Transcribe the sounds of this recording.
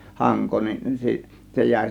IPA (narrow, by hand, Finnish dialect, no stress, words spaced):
hɑŋko nin si se jæˑe̝